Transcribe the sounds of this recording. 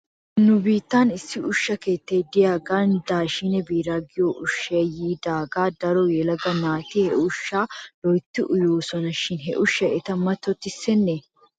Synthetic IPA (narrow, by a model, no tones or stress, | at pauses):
nʊbiːt̪ːaːnɪsːɪʊʃːɐke̞ːt̪ːeːd̪ɪjaːɡaːnd̪aːʃɪnɛbiːɾaːɡɪjoːʔʊʃːeːjiːd̪aːɡaːd̪ɐɾɔjɛlɐɡɐnaːt̪ihɛʊʃːaːlɔjt̪ːɪʔʊjoːsɔnɐʃɪnɦɛ̰ʔʊʃːɐɛt̪ɐmːɐt̪ːɔt̪ːɪsɛnːeː